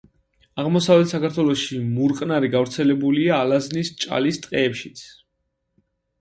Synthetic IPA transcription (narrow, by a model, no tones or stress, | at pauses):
aʁmɔsavlɛt̪ʰsakaɾt̪ʰwɛlˠɔʃimuɾqʼnaɾiɡavɾt̪sʰɛlɛbuliaːlaznist͡ʃʼa̰list̪ʼqʼɛːpʃi̥t̪sʰ